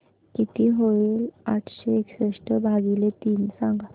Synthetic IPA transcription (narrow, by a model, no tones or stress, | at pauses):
kit̪iɦoiːlaʈʰɕeekɕeʂʈəbʱaɡilet̪iːnsãŋɡa